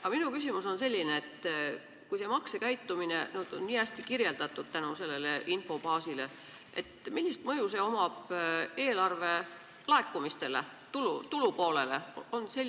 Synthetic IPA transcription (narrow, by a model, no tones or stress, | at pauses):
ɑminukys̬ʲimuso̞nse̞lʲːineːt̪ː | kujse̞mɑksekæjt̪ːˑumine̞̰nyːd̪̥o̞̰nniːæsʲt̪ikirje̞ld̪ɑt̪ːˑud̪̥̚t̪ænuse̞lːe̞le̞ʔinfo̞bɑːsile̞ | ʔet̪milʲːist̪mɤjuse̞o̞mɑb̥e̞ːlɑrve̞ | lɑe̞kːˑumist̪e̞le̞̰ | t̪ulut̪ulupo̞ːle̞le̞̰o̞nse̞lː